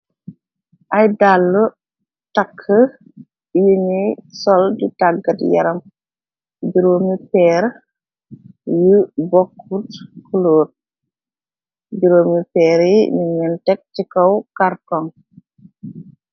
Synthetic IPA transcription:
ʔɐjdalːu | tɐkʰːə | juɲijsɔlditaɡːɐtjɐ̰ɾɐm | ɟuɾoːmipɛːɾ | jubɔkʰːutkulɔːt̚ | ɟuɾoːmipɛːɾjiɲuɲɛntɛk̚tikɔwkartɔŋ

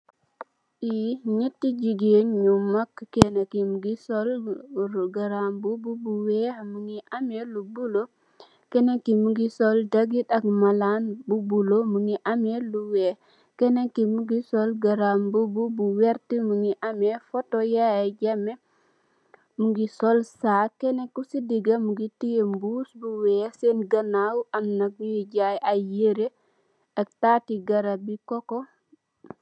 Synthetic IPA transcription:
ʔiɲetːid͡ʒiɡenɲummːakːkɛnakimuɡisɔl | ɡaɾambububuwɛamuŋiʔamɛlubulo | kɛnakimuɡisɔldaɡiɗakmalanbubulomuŋiʔamɛluwɛ | kɛnakimuɡisɔlɡaɾambububuwɛɾtimuŋiʔamefotojajaɟame | muɡisolsaːkɛnekːusidiɡamuɡitijembuːsbuwɛsenɡanawʔamnaɡ̚ujiɟajʔajeɾe | ak̚taːtiɡaɾabikoko

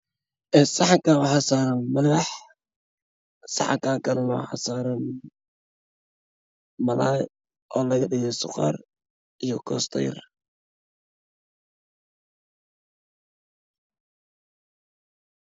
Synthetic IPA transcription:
ʔɛsɑħɑŋkawaħɑsaːɾɐnmɐlɑħ | sɑ̰ħɑ̰ŋkʰaːŋkʰɐnʊwaħɑ̰saːɾɐn | mɐlaːj | ʔɔːlɐɣɐɗɪɣɛsʊqɑ̰ːr | ʔijɔkʰɔ̰ːst̪ʰɐ̰jɪ̰r

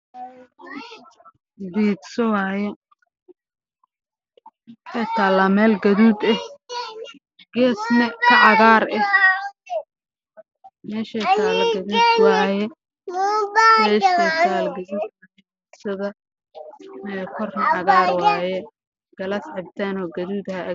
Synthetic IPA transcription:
d̪iːd̪sɔwaːjɛ | ħɛt̪ʰaːlɐmɛːlɡɐðuːd̪ɛ | ɡɛːsnɐkʰɐʔɑɣaːɾɛ | mɛːʃɛt̪ʰaːlɐɡɐðuːd̪waːjɛ | ɛːkit̪ʰaːlɡɐðuːkʰɐ | diːd̪sɐðɐ | mɛkʰɔrnɐʕɑɣaːɾwaːjɛ | ɡ̥ɐlɐsʕɛbt̪ʰaːnɔːɡɐðuːd̪hɐ

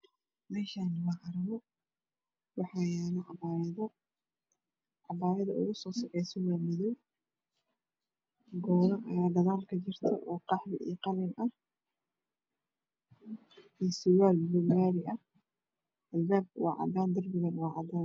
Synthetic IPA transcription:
mɛːʃaːnwɑʕɑɾɐmɔ | wɑħɑjaːnɐʕɑbaːɾɐðɐ | ʕɑbaːɾɐðɐʊ̰ɣʊsɔːsɐħɛjsɔwaːmɪðɔw | ɡɔːnɐɐ̰jaːd̪ɐðaːlkʰɐt͡ʃɪrt̪ʰɐ̰ʔɔːqɑħβɪʔḭqɑlɪnɐh | iːsɪwaːlbʊlmaːɾɪʔɐh | ɐlbaːbwɑ̰ːʕɑ̰d̪aːnd̪ɐrbɪɣɐnwɑːʕɑ̰d̪aːn

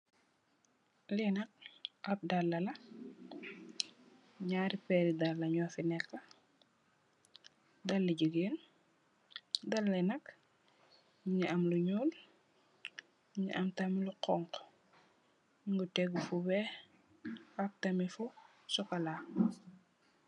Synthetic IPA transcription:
lɛnɐk̚ʔɐp̚dalːɐlɐ | ɲaɾipɛɾidalːɐɲɔːfinɛkːɐ | dɐlːiɟəɡeːn | dɐlːɛnɐk | ɲɲiʔɐmluɲuːl | ɲḭʔɐmtɐmiluqɔŋk | ɲŋɡutɛɡufuwɛ | ɐk̚tɐmifu | sɔkɐla

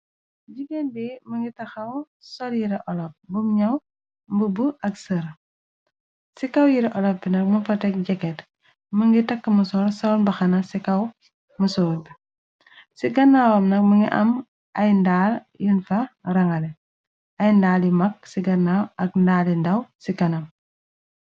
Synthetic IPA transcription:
ɟiɡɛnbimɐŋɡitɐxɐw | sɔljiɾɛʔɔlɔp̚bumɲɐw | mbəbuʔɐksəɾ | sikɐwjiɾɛʔɔlɔpbinɐk̚mɐfɐtɛk̚ɟɛkɛt | məŋɡitɐkːəmɐsɔːɾsɐwnbɐxɐnɐsikɐw | mɐsɔːlbi | siɡɐnːawɐmnɐk̚məŋɡiʔɐ̰m | ɐjndaːl | jinfɐrɐŋɐlɛ | ɐjndaːlimɐk̚siɡɐnːawɐk̚ndaːlindɐwsikɐnɐm

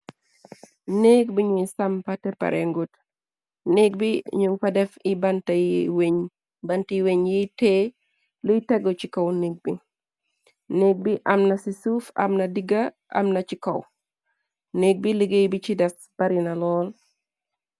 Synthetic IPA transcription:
nekbiɲusɐmpatɛpɐ̰ɾʔɛŋɡut | neɡ̚biɲuŋpɐdɛfibɐntɐjiweɲ | bɐntiweɲjite | lujtɛɡɔt͡ʃikɐwneɡ̚bi | nek̚biʔɐmnɐsisufɐ̰mnɐdiɡa | ʔa̰mnɐt͡ʃikɐw | nek̚biliɡejbit͡ʃidɐs | b̥ɐɾinalɔl

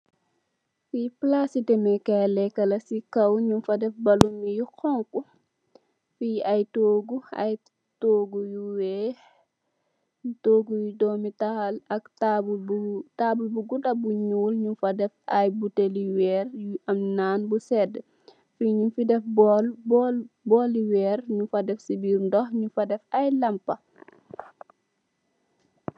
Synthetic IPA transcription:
fiplasitɛmɛkɛlɛkːɐlɐsikɐwɲufɐdɛfbɐlumijuxɔŋku | fiɐjtoːɡuɐ̰j | toːɡujuwɛ | toːɡujudɔːmitalɐktabbtaːbulbuɡudɐbuɲuːlɲufɐdɛfɐjbuteliwɛːrjuɐmnaːnbusɛdə | fiɲufidɛfbɔlbɔbɔːliwɛːɾɲufɐdɛfsibiːɾndɔhɲufɐdɛfɐjlɐmpɐ

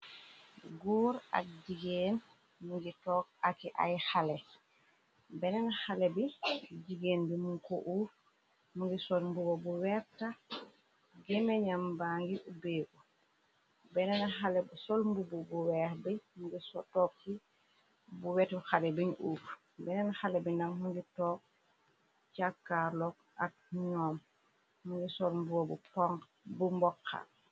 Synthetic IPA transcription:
ɡɔːɾa̰k̚d͡ʒiɡen | muŋɡitɔkakiʔa̰jxalɛ | bɛnɛnahalɛbɛd͡ʒiɡenbimunkɔʔuf | muŋɡisɔlmbubɔbuwɛɾta | ɡɛmɛɲambaŋɡiubeɡu | bɛnɛnaɦalɛbsɔlmbubɔbuwɛɾbimuŋɡisɔtɔːkːi | buwɛtbuxalɛbiɲʔuːf | bɛnɛnaxalɛbinaŋmuŋɡitɔːk̚ | t͡ʃakkːaɾlɔk̚ | ʔa̰k̚ɲɔːm | muŋɡisɔlmbuwɔbupɔŋ | bumbɔkʰːa̰

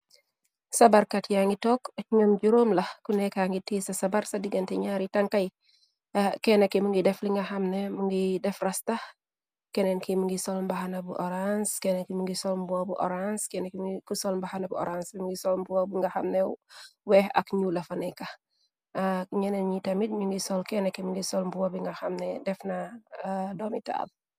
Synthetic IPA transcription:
sɐbaɾkatjaŋɡitɔːkɲɐmd͡ʒuɾoːmlɐkunɛkaŋɡitiːsɐsɐbaɾsɐdiɡɐntɛɲaɾitɐŋkɐj | kɛnɐkimuŋɡidɛfliŋɡɐhɐmnemuŋɡidɛfrɐstɐh | kɛnenkimuŋɡisolmbahanɐbuʔɔɾanskɛnenkimuŋɡisɔlmbuɐbuʔɔ̰ɾanskɛnekikusɔlmbahanɐbuʔɔ̰ɾansbimŋɡisɔlmbuwabiŋɡɐxɐmnɛwɛhɐ̰kɲulɐfɐnɛkɐ | kɲɛnɛnɲitɐmitɲuŋɡisɔlkɛnekimuŋɡisɔlmbuwɐbiŋɡɐxɐmnɛdɛfnɐ | dɔːmita̰ːd̚

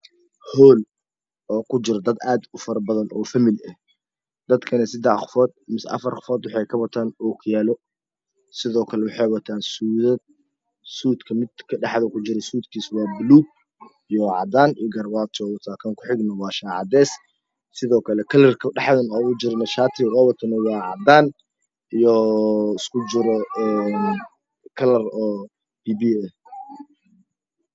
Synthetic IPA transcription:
hɔːl | ɔːkʰʊt͡ʃɪɾɐd̪ɐd̪aːd̪ʊfɐɾɐbɐðɐnʔɔːfɐmɪlɛh | d̪ɐd̪kʰɐnɛsɪd̪ɛħxʊ̥fɔːd̪̚mɪsʔɐ̰fɐrχʊ̥fɔːd̪wɑħɑjkʰɐwɐt̪ʰaːnɔːkʰjaːlɔ | sɪðɔːkʰɐlɛwɑħɑjwɐt̪ʰaːnsuːðɐ | suːd̪kʰɐmɪd̪kʰɐɖɑħðɐkʰʊt͡ʃɪɾɛsuːd̪kʰiːswɑːbluː | ijɔʕɑ̰d̪aːniɡɐrbaːt̪ʰɔwɐt̪ʰaːkʰɐːŋkʰʊ̥ħɪɡnɐwɑːʃaːʕɑ̰d̪ɛːs | sɪðɔːkʰɐlɛkʰɐlɐrkʰɐɖɑħd̪ɐnɔːwʊd͡ʒɪɾnɐʃaːt̪ʰɪqɔwɐt̪ʰɐnɐwɑːʕɑ̰d̪aːn | ijɔɪskʰʊt͡ʃɪɾɔɛːn | kʰɐlɐrɔː | biːbiːɛ

